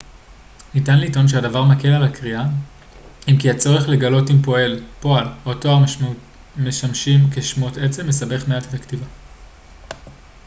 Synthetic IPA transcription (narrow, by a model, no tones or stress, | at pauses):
nitanliito̞nʃ̬eadavaʁmake̞lalakʁia | imkiat͡so̞ʁeχle̞ɡalo̞timpo̞e̞lpo̞aloto̞a | meʃamʃimkeʃmo̞tet͡seme̞sabe̞χmeate̞taktiva